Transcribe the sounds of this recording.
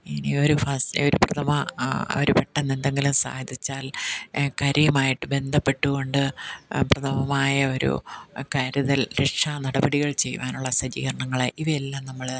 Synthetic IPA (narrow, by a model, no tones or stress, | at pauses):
inio̞ɾufɐsoɾuprɐt̪ʰɐmɐo̰ɾupeʈːɐnːend̪e̞ŋɡilumsa̰ːjɐd̪it͡ɕːaːlkɐɾɐjɐmaːjiʈːɨbe̞nd̪ʱɐpːe̞ʈːuɣo̞ɳɖɨprɐt̪ʰɐmɐmaːjɐo̞ɾṵkaːɾuðɐlɾeʈʂanɐɽɐbɐɽiɣɐɭt͡ɕe̞jʋaːnuɭːɐsɐd͡ʑḭːɣɐrɐɳɐŋːɐɭeʔiʋielːaːmnɐmːɐɭ